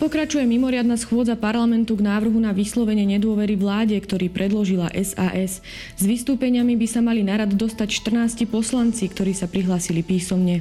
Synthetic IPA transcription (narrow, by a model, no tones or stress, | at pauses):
pɔkɾat͡ʃujɛmimɔɾɪad̪nasxʊɔd͡zapaɾlamɛnt̪uɡnaːʋr̩ɦunaʋislɔʋɛɲɪɛɲɛd̪ʊɔʋɛɾiʋlaːɟɛkt̪ɔɾiːpɾɛd̪lɔʒilaʔɛzaːʔɛs | zʋist̪uːpɛɲɪamibisamalinaɾad̪d̪ɔst̪acʃt̪r̩naːscipɔslant͡sikt̪ɔɾiːsapɾiɦlaːsilipiːsɔmɲɛ